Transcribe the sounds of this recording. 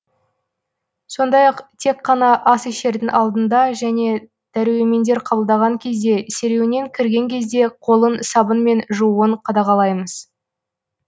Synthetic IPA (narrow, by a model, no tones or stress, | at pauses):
so̞nd̪ɑjɑqt̪ʰe̞qːɑnɑʔɑsiʃe̞ɾd̪ɪŋɑlˠd̪ənd̪ɑʒæne̞ | d̪̥æɾweme̞nd̪e̞ɾqʰɑbəlˠd̪ɑʁɑŋkʲʰe̞zd̪e̞se̞ɾe̞wne̞ŋkʲʰɪɾɡʲe̞ŋkʲe̞zd̪e̞qʰo̞lˠənsɑbənme̞nʒuuəɴqʰɑd̪ɑʁɑlˠɑjməz̥